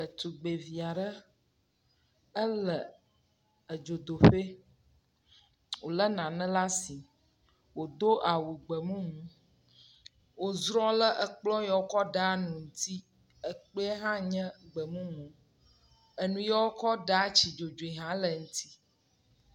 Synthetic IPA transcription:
ə˨t̪u˨ɡ͡be˨vi˨a˨ɖə˦ | ə˦lə˨ | ə˨d͡ʒo˨d̪o˨ɸe˦ | wo˨lə˦nã˨nə̃˦la˦si˨ | wo˨d̪o˦ʔa˨wu˨ɡ͡bə˨mũ˦mũ˦ | wo˨zɾɔ˦lə˦ʔə˨k͡plɔ˦jɔ˦wo˦kɔ˦ɖa˦a˦nũ˨ŋ̩˦t̪i˦ | ə˨k͡pe˦e˦ɦã˦ɲɛ̃˦ɡ͡bə˨mũ˦mõ˨ | ə˨nũ˨jɛ˦wo˦kɔ˦ɖə˨a˦t͡ɕi˨d͡ʒo˨d͡ʒo˨i˨ɦã˦lə˨ŋũ˦t̪i̥˦

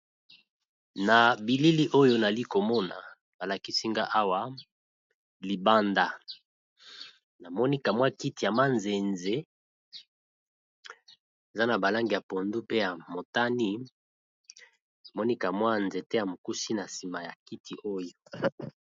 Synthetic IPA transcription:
na˨bi˨li˦li˦ʔo˦jo˦na˨li˦ko˨mɔ˦na̰˨ | ba˨la˨ki˦si˦ŋɡa˦ʔa˦wa˦ | li˨ba˦nda˨ | na˨mɔ˦ni˦ka˨mwa˦ki˦ti˨ja˨ma˦nze˨nze˦ | e˨za˦na˨ba˨la˦ŋɡi˨ja˨po˨ndu˦pe˦ja˨mo˨ta˦ni˦ | na˨mɔ˦ni˦ka˨mwa˦nze˨te˦ja˨mo˨ku˦si˦na˨si˨ma˨ja˨ki˦tʰi˨ʔo˦jo˨

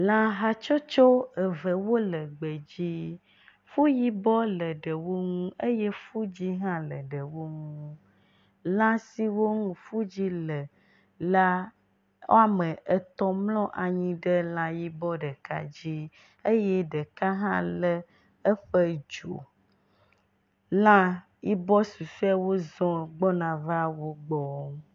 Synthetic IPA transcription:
lã˦ɦa˦t͡ʃɔ˦t͡ʃo˦ə˨və˨wo˦lə˨ɡ͡bə˨d͡ʑi˦ | fu˦ji˦bɔ˦lə˨ɖə˨wo˦ŋũ˦ʔe˦je˦fu˦d͡ʑi˦ɦã˦lə˨ɖə˨wo˦ŋũ˦ | lã˦si˦wo˦ŋũ˨fu˦d͡ʑi˦lə˨ | la˦ | wo̰˦a˨mə̃˨ʔə˨t̪ɔ˦mlɔ̃˦ʔa˨ɲĩ˦ɖə˦lã˦ji˦bɔ˦ɖə˨ka̰˦d͡ʑi˦ | e˦jɛ˦ɖə˨ka˦ɦã̰˦lə˦ | ə˦ɸə˦d͡ʒo̰˨ | lã˦ | ji˦bɔ˦su˨su˦a˦wo˦zɔ̃˦ɡ͡bɔ˦nã˨va˦wo˦ɡ͡bɔ˦

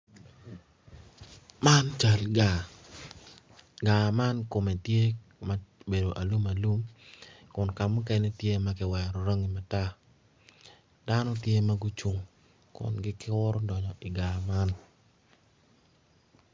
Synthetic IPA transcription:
ma˦nt͡ʃa˨lɡa˨ | ɡa˨ma˦nko˨me˨tje˦ | ma˦be˨do˨ʔa˨lu˦ma˨lu˦mkʊ˨nka˨mu˦kɛ˦nɛ˦tje˦ma˦kɪ˦wɛ˨ɾɔ˨ɾo˦ŋi˨ma˨ta˦ | d̥a˦nɔ˦tje˦ma˦ɡʊ˦t͡ʃʊ˨ŋ | kʊ̰˨nɡɪ˦kɪ˦wʊ˦ɾɔ˦dɔ˨ɲɔ˨ʔɪ˨ɡa˨ma˦n

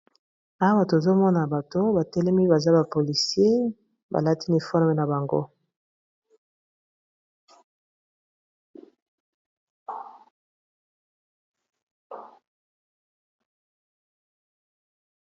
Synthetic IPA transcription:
a˨˦wa˦˨to˨zo˦mɔ˦na˨ba˨to˦ba˨tɛ˦lɛ˦mi˦ba˨za˦ba˨po˨li˨sje˦ | ba̰˨la˦ti˦ni˨fɔ˦ʁme˦na˨ba˨ŋɡo̰˦

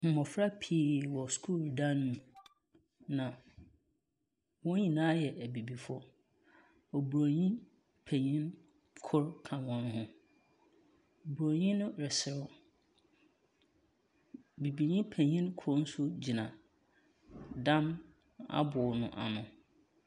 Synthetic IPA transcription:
m̩˨mɔ˨fɾa˦pʰiː˦˨wɔ˨skʰu˦˨ldã˦nːʊ̃˨ | nã˨ | wɔ̃˦ĩ˨nãː˨˦jɛ˨ʔæ˨bi˨bi˨fɔ˦ | o˨bu˨ɾo˨ɲĩ˦ | pʰɛ̃˨ɲĩ˦n | kʰʊ˦ɾkʰã˨wɔ̃˦nɦʊ̃˦ | o˨bu˨ɾo˨ɲĩ˦nʊ̃˦ɾɪ˨sɪ˨ɾʊ˦ | bi˨bi˨ɲĩ˦pʰɛ˨ɲĩ˦nkʰʊ˦ɾn̩˦sʊ˦d͡ʑi˨nã˨ | dã˦n | a̰˦bʊ˨nʊ̃˨ʔa̰˨nʊ̃˨

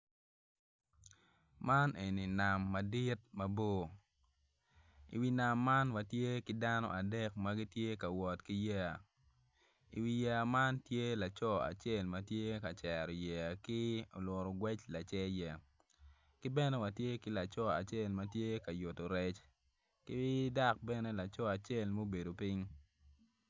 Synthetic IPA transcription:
ma˦nʔe˨ni˨na˨mːa˨di˦t̚mɐ˦bo˦ | ḭ˨wi˨˦na˨mːa˦nwa˨tje˦kɪ˨da˦nɔ̰˦ʔa˨dɛ˦k̚ma˦ɡi˦tje˦ka˨wɔ˨tki˦jɛ˦a˨ | ḭ˨wi˨jɛ˦a˨ma˦ntje˦la˨t͡ʃɔ˦a̰˨t͡ʃe˦˨lma˦tje˦ka˨t͡ʃɛ˨ɾɔ˨jɛ˨a˨kɪ˦o˨lwɔ˨ɾɔ˨ɡwɛ˦t͡ʃla˨t͡ʃɛ˦jɛ˨ | kɪ˦bɛ˦nɛ˦wa˨tje˦kɪ˦la˨t͡ʃɔ˦a̰˨t͡ʃe˦˨lma˦tje˦ka˨jʊ˨to˨ɾɛ˦t͡ʃ | kɪ˦wi˦da˦k̚bɛ˦nɛ˦la˨t͡ʃɔ˦a˨t͡ʃe˦˨lmo˦be˨do˨pi˦ŋ

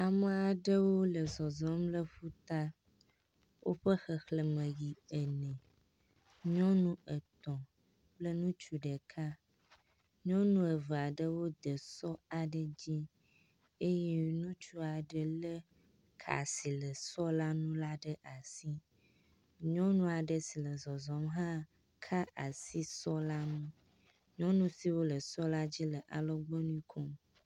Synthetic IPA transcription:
a˨mə̃˨a˨ɖə˦wo˦lə˨zɔ˨zɔ̃˦mlə˦ɸu˦t̪a˦ | wʔo˦ɸə˦xə˨xlə˨mə̃˨ji˨ɛ˨nɛ̃˨ | ɲɔ̃˦nũ˦ə˨t̪ɔ̃˨ | plə˦nũ˦t͡ʃu˨ɖə˨kʰa˦ | ɲɔ̃˦nũ˦ə˨və˨a˨ɖə˦wo˦d̪ə˨sɔ˦a˨ɖə˨d͡ʑi˦ | e˦je˦nũ˦t͡ʃu˦a˨ɖə˦lə˦ | kʰa̰˨si˨lə˨sɔ˦la˦nũ˦la˦ɖə˦ʔa˨si˦ | ɲɔ̃˦nũ˦a˨ɖə˨si˨lə˨zɔ˨zɔ˨mɦã˦ | kʰa˦ʔa˨si˦sɔ˦la˦nũ˦ | ɲɔ̃˦nũ˦si˦wo˦lə˨sɔ˦la˦d͡ʑi˦lə˨ʔa̰˨lɔ˦ɡ͡bɔ˦nũ˦ĩ˦kʰɔ˦m

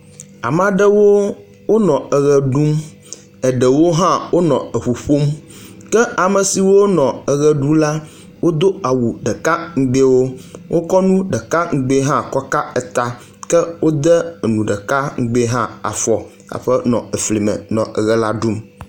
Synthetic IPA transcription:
a̰˨m˦˨a˨ɖə˦wo˦ | wo˦nɔ̃˨ə˨ɣɛ˨ɖu˦m | ɛ˨ɖə˨wo˦ɦã˦wo˦nɔ̃˨ə˨ɸu˨ɸo˦mkɛ˦a˨mə˨si˨wo˦nɔ̃˨ə˨ɣɛ˦ɖu˦la˦ | wo˦d̪o˦a˨wu˨ɖɛ˨ka˦ŋ̩˨˦ɡ͡be˦wo˦wʔo˦kɔ˦nũ˦ɖə˨ka˦ŋ̩˦ɡ͡be˦ɦã˦kɔ˦ka˦ɛ˨t̪a˦ | kɛ˦wo˦d̪ɛ˦˨nũ˨ɖɛ˨ka˦ŋ̩˦ɡ͡be˦ɦã˦a̰˨fɔ˨ | a̰˨ɸɛ˦nɔ̰̃˨ə˨fli˨mɛ̰˨nɔ̃˨ʔə˨ɣɛ˦la˦ɖu˦m

